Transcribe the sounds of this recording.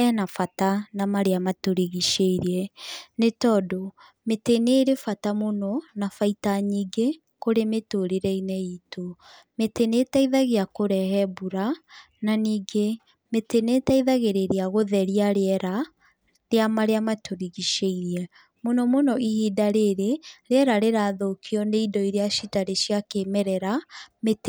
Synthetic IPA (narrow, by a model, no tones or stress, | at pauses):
ɛnafatanamaɾeamatoɾiɣiʃeiɾiɛnetɔːdɔ | meteneɾefatamonɔnafaitaɲiːɡe | koɾemetoɾeɾɛinɛito | metenetaiðaɣeakoɾɛhɛbuɾa | naniːɡe | metenetaiðaɣeɾeɾeaɣoðɛɾiaɾeɛɾa | ɾeamaɾeamatoɾiɣiʃeiɾɛ | monɔmonɔʔihiːdaɾeɾeɾeɛɾaɾeɾaːðokʰiɔneidɔiɾeaʃitaɾeʃiakemɛɾɛɾamet